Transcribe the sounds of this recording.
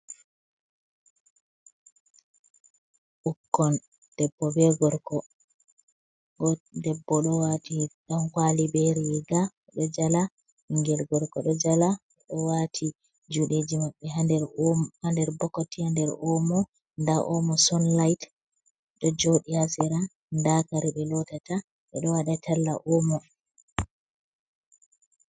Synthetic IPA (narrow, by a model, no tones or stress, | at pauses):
ʔukːɔn | d̥ɛbːɔbɛɡɔɾkɔ | ɔdɛbːɔɗɔwatiɗankwalibɛɾiwɛɡa | ɗɔd͡ʒala | ŋɡɛlɡɔɾkɔɗɔd͡ʒala | ɗɔwatʰi | d͡ʒuɗeːd͡ʒimaɓːɛadɛɾhandɛɾbɔkːɔtihandɛɾɔmɔ | ndaʔɔmɔsɔnlajt | ɗɔd͡ʒoɗihasɛɾa | ndakaɾiɓɛlɔtata | ɓɛɗɔwaɗatʰalːa̰ʔɔmɔ